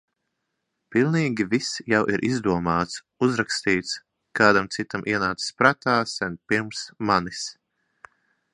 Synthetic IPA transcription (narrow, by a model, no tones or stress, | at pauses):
pilˠniːɡʲivisjawʔḭɾʔizd̪uɔmaːt̪s | uzɾakst̪iːt̪s | kaːd̪amt̪sit̪amʔiɛnaːt̪sspɾat̪aːsɛnpiɾmsmanis